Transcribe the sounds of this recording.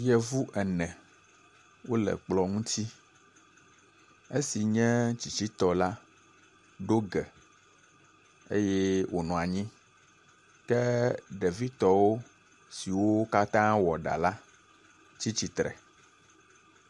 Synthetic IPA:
jɛ˨vu˦ʔɛ˨nɛ̃˨ | wo˦lɛ̰˨k͡plɔ˨ŋũ˦t̪i˦ | e˦si˨ɲɛ̃˦t͡ɕi˨t͡ɕi˦t̪ɔ˨la˦ | ɖo˦ɡɛ˨ | e˦jɛ˦wʔo˨nɔ̃˨a˨ɲĩ˦ | kɛ˦ɖɛ˨vi˦t̪ɔ˦wo˦ | si˨wo˦ka˦t̪ã˦wɔ˨ɖa̰˨la˦ | t͡ɕi˦t͡ɕi˦t̪ɾɛ̰˨

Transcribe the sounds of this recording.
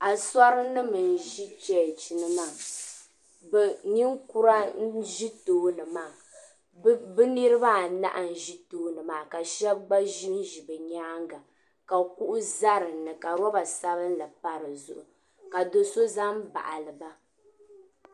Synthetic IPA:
a˨sa˦ɾɨ˦nɨ˦mɨ˨n˨ʒi˦t͡ʃɛ˨t͡ʃi˨nɨ˦maː˦˨ | bɛ˨ɲi˦ŋku˦ɾa˦ʒi˦toː˦nɨ˨maː˦˨ | bɨ˦nɨ˦ɾɨ˦ba˦˨na̰˦ʔa˨n̩˨ʒi˦toː˦nɨ˨maː˨ka˨ʃɛ˦b̚ɡ͡ba˦ʒi˦n˦ʒi˨bɨ˨ɲaː˦ŋɡa˨ | ka˨ku˦ʔʊ˦za˦ɾɨ˨nːɨ˨ka˨ɾɔ˦ba˨sa˦βɨ˦n˦la˨pa˦ɾɨ˨zʊ̰˨ʔʊ˨ | ka˨do˨so˦za˦mba̰˨ʔa˨lɨ˨ba˦

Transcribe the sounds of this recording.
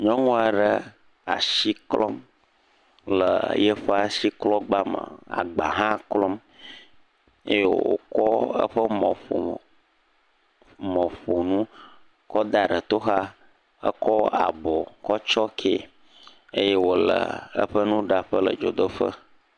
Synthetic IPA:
ɲɔ̃˦ŋũ˦a˨ɖə˦ | a̰˨si˦klɔ̰˦m | lə˨jə˦ɸə˦a˦˨si˦klɔ˦ɡ͡ba˦mə̰̃˨a̰˨ɡ͡ba˨ɦã˦klɔ˦m | e˦je˦wwo̰˨kɔ˦ə̰˦ɸə˦mɔ̃˨ɸo̰˨ | mɔ̃˨ɸo˨nũ˦ | kɔ˦d̪a˨ɖə˨t̪o˦ɦa˦ | ə̰˦kɔ˦a̰˨bɔ˨kɔ˦t͡ʃɔ˦kʰe˦˨ | e˦je˦wo˨lə̰˨ə̰˦ɸə˦nũ˦ɖa˨ɸə˦lə̰˨d͡ʒo˨d̪ə˦ɸə̰˦

